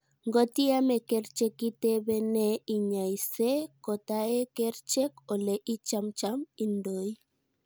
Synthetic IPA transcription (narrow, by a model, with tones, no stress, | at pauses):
ŋɡo˦ti˦a˦mɛ˨kɛ˦ɾt͡ʃɛ˦ki˦te˦bɛ˦nɛ˦i˨ɲa˨jse˦kɔ˨ta˦e˦kɛ˦ɾt͡ʃɛ˦kɔ˨lɛ˨ʔi˦t͡ʃa˦mt͡ʃa˦mi˦ndo˨j